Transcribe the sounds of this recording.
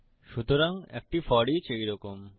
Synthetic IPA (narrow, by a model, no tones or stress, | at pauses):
ʃut̪oɾaŋḛk̚ʈifɔɽit͡ɕejɾɔkom